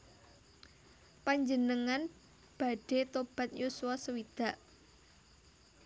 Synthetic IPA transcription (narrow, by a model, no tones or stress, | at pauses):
paɲd͡ʒənəŋan | b̥a̤ɖ̥e̤t̪ob̥a̤t̪̚jusuwasəwid̪̥a̤ʔ